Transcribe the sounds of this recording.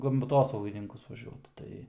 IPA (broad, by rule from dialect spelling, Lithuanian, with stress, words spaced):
pɐs ɡɐmˈtoːsɐʊɡʲɪnʲɪŋkʊs ʋɐˈʒʲuɔt ˈtɐɪ